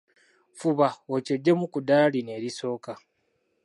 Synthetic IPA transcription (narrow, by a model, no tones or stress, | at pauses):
fuβaoceɟːe̞mukudaline̞ːɾiso̞ːka